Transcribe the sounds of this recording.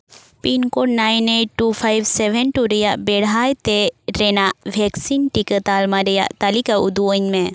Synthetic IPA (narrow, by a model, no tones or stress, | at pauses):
pinkɔɖnajneʈːupʰajbsɛbɛnʈuɾɛjaʔbɛɽ̤ajt̪ɛɾɛnaʔbʱɛksinʈikət̪almaɾɛja̰ʔt̪alikaud̪uəɲmɛ